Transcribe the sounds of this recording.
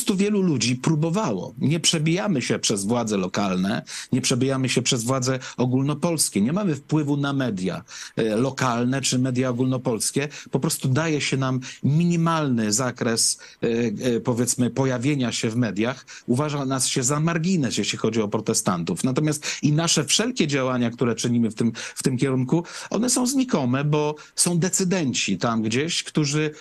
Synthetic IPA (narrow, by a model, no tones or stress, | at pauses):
ɔst̪uvʲjɛlulud͡ʑipɾubɔvawɔ̰ɲɛpʂɛbʲijamɘɕɛpʂɛzvwad̪zɛlɔkalnɛɲɛpʂɛbʲijamɘɕɛpʂɛzvwad̪zɛɔɡulnɔpɔlskʲɛɲɛmamɘfpwɘvunamɛd̪ʲja̰lɔkalnɛt͡ʂɘmɛd̪ʲjaɔɡulnɔpɔlskʲɛpɔpɾɔst̪ud̪ajɛɕɛnamːʲiɲimalnɘzakɾɛs | pɔvʲjɛt̪smɘpɔjavʲjeɲaɕɛvmɛd̪ʲjax | uvaʐanasɕɛzamaɾɡʲinɛsjeɕlʲixɔd͡ʑiɔpɾɔt̪ɛst̪a̰nt̪ufnat̪ɔmjast̪inaʂɛfʂɛlkʲɛd͡ʑawaɲakt̪uɾɛt͡ʂɘɲimɘft̪ɘmft̪ɘmkʲɛɾuŋkuʔɔ̰nɛsɔ̃w̃zɲikɔmɛbɔ | sɔ̃w̃d̪ɛt̪sɘd̪ɛɲt͡ɕit̪amɡd͡ʑeɕkt̪uʐɘ